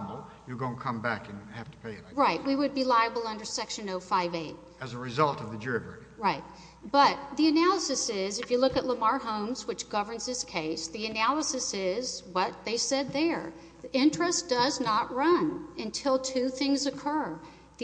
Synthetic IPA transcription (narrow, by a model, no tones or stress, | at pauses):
bl̩ˠjəɡõʊə̃nkʰʌ̃mbækɨ̃nhæftə̥pʰeɪɹaɪt̚wiwɨd̚bilaɪɨbl̩ˠʌ̃ndə˞sɛkʃɨ̃noʊfaɪveɪt̚ | ɨzəɹɨzʌlˠtʌvðɨdə˞ɪvə˞ɾɹaɪt̚ | b̥ʌt̪̚ðiɨnælˠəsɨsɪzɨfjɨlʊkɨtˡləmɑɹɦõʊ̃mzwɨt͡ʃɡ̥ʌvə̃˞nzðɪskʰeɪsðiɨnælˠəsɨsɪzwʌt̪̚ðeɪsɛd̪̚ðə˞ | ʔɪ̃nt͡ʃɹ̥ɨsd̥ʌznəʔ̚ɹʌ̃nɨ̃ntʰɪlˠtʰʉθɪ̃ŋzɨkʰɜ˞ | ð